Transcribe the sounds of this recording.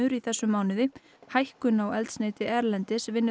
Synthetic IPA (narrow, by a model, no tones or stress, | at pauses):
ʏɾiθɛsːʏmaːwnɪðɪ | hajhkʏnawɛlt̪sneːt̪ɪʔɛɾlɛnt̪ɪsvɪnːɪ